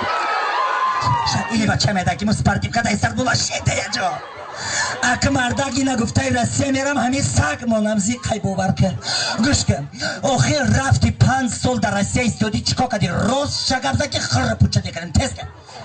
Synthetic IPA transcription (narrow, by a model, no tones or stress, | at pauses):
ʃailibat͡ʃʰamed̪aɡimuspaɾt̪ip̚kʰad̪aisaɾd̪muvaʃed̪ajad͡ʒɔ | akʰɨmaɾd̪aɡinaɡuft̪ʰajɾasijameɾamhamisaɡmɔnamziqʰajbɔbaɾkʰəɡuʃkəɔχiɾɾaft̪ipʰand͡ʒsɔlˠd̪aɾasijaist̪ɔd̪it͡ʃʰi̥kɔkad̪iɾɔzʃaɡabzakiχərːəput͡ʃʰamekʰəɾimt̪ʰezkʰad̪